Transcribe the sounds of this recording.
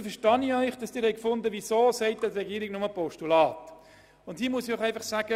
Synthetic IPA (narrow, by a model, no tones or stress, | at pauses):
fɛʃtɑniœʏχd̥ɑsd̥ɪːɾhɛɪkfʊndəvisoːsɛɪt̚d̥ɛtrɛɡiːɾɪɡnʊməpɔʃtulɑːt | ʊndhiːmuəsiɔχɛɪfɑχsæːɡ̥ə